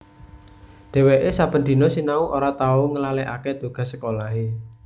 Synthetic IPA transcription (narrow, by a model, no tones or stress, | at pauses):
ɖ̪̥ɛ̤weʔesapənd̪̥i̤nɔsinauʔoɾat̪auŋəlaleʔa̰ked̪̥o̤ɡ̥a̤səkolaɦe